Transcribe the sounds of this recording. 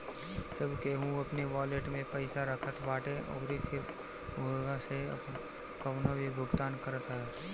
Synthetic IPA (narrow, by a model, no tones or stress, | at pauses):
səbʱkeɦũɐpneʋaːleʈmẽpəɪsaɾəkʰət̪baːʈeʔɔ̰ːɾifɪɾ | oɡaseɐ̰p | kəwnobʱibʱʊɡt̪aːnkəɾət̪ɦɛː